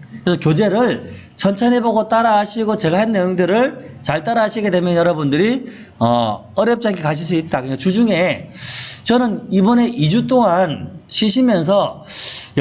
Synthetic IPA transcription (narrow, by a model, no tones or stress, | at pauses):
kɾesʰʌkjod͡ʑe̞ɾɯɭ | t͡ɕʰʌnt͡ɕʰʌneboɡot͈aɾaɦaɕʰiɡot͡ɕeɡahanːe̞joŋdɯɾɯɭt͡ɕaɭt͈aɾaaɕʰiɡe̞de̞mjʌnjʌɾʌbundɯɾi | ʌ | ʌɾjʌp̚t͡ɕ͈aŋkʰekaɕ̬ʰiɭs̬͈uit̚t͈akɯɲikat͡ɕud͡ʑuŋe̞ | t͡ɕʌnɯnibʌne̞ʔid͡ʑut͈oŋanɕʰiɕʰimjʌns̬ʰʌj